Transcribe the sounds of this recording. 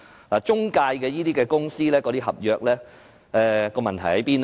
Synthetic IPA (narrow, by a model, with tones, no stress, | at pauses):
laː˨˩t͡ʃʊ˥ŋkaː˧jkɛː˧jiː˥t̪iː˥kɛː˧kʊ˥ŋsiː˥lɛː˥kɔ˧t̪iː˥ɦɐ̰˨p̚jœː˨k̚lɛː˥ | ɛː˧kɔː˧mɐ˨nt̪ʰɐ˨˩jhɐ˨˦jpiː˥n